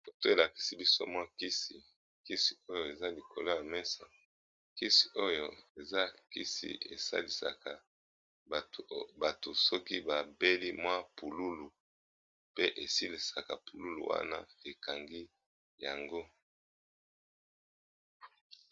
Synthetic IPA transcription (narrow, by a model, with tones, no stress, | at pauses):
o˨to˦e˨la˨ki̥˨si˦bi˦so̰˦mwa˦ki˦si˨ | ki˦si˨o˦jo˨e˨za˦li˨kʰo˨lo˦ja˨mɛ˦sa̰˨ | ki˦si̥˨ʔo˦jo˦e˨za˦kḭ˦sḭ˨e˨sa̰˦li˨sa̰˨ka˨ | ba˨to˨sɔ˦ki˦ba˨be˦li˦mwa˦pu˨lu˦lu˨ | pe˦ʔe˨si˦li˨sa˨ka˨pu˨lu˦lṵ˨wa̰˦na̰˦e˨ka˨ŋɡi˦ | ja˨ŋɡo˦